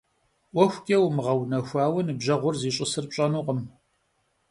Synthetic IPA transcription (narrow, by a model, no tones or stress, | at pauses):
wʷɔxʷkʲʼɐwmɨʁɐwnɐxʷaːwɐnɨbʑɐʁʷʊrziːɕʼɪsɨrp̚ɕʼɐnuːqʼəm